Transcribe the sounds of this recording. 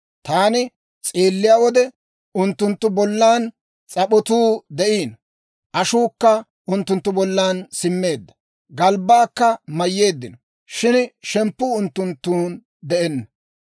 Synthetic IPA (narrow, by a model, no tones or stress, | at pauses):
t̪aːnɪ | t͡sʼeːlːɪjaːwɔd̪ɛ | ʊnt̪ːʊnt̪ːʊbɔlːaːn | t͡sʼɐpɔt̪uːd̪ɛʔiːn | ʔɐʃuːkːɐ | ʔʊnt̪ːʊnt̪ːʊbɔlːaːnsɪmːe̞ːd̪ːɐ | ɡɐlbaːkːɐmɐjːe̞ːd̪ːɪnɔ | ʃɪnʃɛmpːuːʊnt̪ːʊnt̪ːuːn | d̪ɛʔɛnːɐ